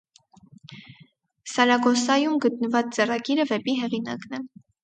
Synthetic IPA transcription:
sɑɾɑɡɔsɑjumɡət̪nəvɑt͡st͡sɛrɑɡiɾəvɛpiɦɛʁinɑ̰knɛ

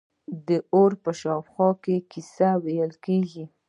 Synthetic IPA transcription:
d̪əʔoɾpəʃɑpxɑkekisawejəlkeɡi

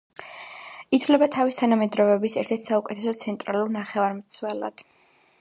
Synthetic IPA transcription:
it̪ʰvlɛbat̪ʰavist̪ʰanamɛd̪ɾɔvɛbisɛ̰ɾt̪ʰɛɾt̪ʰsaukʼɛt̪ʰɛsɔt̪sʰɛnt̪ʼɾaluɾnaχɛvaɾmt̪sʰwɛlˠa̰d̪̥

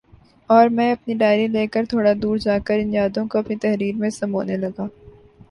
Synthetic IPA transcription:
ɔːɾmɛ̃ːɐpniɖaːɪɾĩleːkəɾt̪ʰoːɽad̪uːɾd͡ʒaːkəɾɪ̃njaːd̪õkoɐpnit̪ɛɦɾiːɾmẽsɐmoːnelɐɡaː

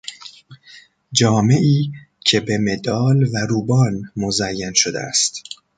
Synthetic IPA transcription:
d͡ʒɒːme̞ʔiː | cʰe̞be̞me̞d̪ɒːlvæɾuːbɒːnmozæjːænʃod̪ḛæ̰st̪

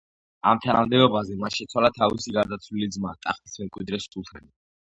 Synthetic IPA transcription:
a̰mt̪ʰana̰md̪ɛbɔbazɛmanʃɛt̪sʰwalat̪ʰavisiɡaɾd̪at̪sʰwlilid̪zmat̪ʼa̰χt̪ʼismɛmkʼwid̪ɾɛst̪ʰulˠt̪ʰɛni

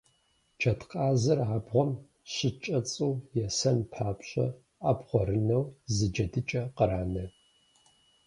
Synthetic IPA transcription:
t͡ʃʰɐtqʼaːzɐraːbʁʷɔm | ɕɪt͡ʃʼɐt͡sʼɨwjɛsɐnpʰaːpɕʼɐ̰ | aːbʁʷɔɾɨnɐwzɨd͡ʒɐdɨt͡ʃʼɐqəɾaːnɐ

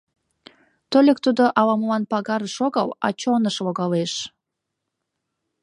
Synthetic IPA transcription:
t̪olʲekt̪ud̪oʔɑlɑməlɑnpɑɣɑɾəʃoɣɑlɑ̰t͡ɕonəʃloɣɑleʃ

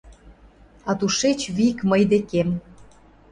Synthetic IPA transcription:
ɑt̪uʃet͡ɕβikməjd̪ekem

